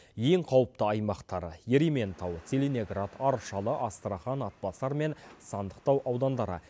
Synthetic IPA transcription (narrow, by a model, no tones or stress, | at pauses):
je̞ŋqʰɑwəp̚t̪əɑjmɑqt̪ɑɾə̰jeɾime̞nt̪ɑwt̪se̞lʲeneɡɾat̪ʰɑɾʃɑlˠəʔɑst̪ɾaχɑnɑt̪̚pɑsɑɾme̞nsɑnd̪əqt̪ɑwʔɑwd̪ɑnd̪ɑɾə̰